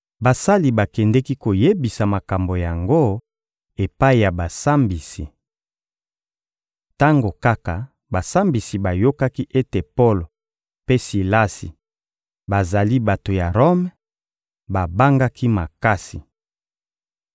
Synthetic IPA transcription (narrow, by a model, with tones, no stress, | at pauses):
ba˨sa˦li˨ba˨kɛ˨ndɛ˦ki˦ko˨je˦bi˨sa˨ma˨ka˨mbo˨ja˨ŋɡo˦ | e˨pa˦i˨ja˨ba˨sa˦mbi˨si˨ | ta˦ŋɡo˨ka˦ka˨ | ba˨sa˦mbi˨si˨ba˨jo˦ka˦ki˦ʔe˦te˨po˦lo˨ | pe˦si˨la˦sḭ˨ | ba˨za˨li˦ba˨to˨ja˨ʁo˦m | ba˨ba˦ŋɡa˦kʰi˦ma˨ka˦si˨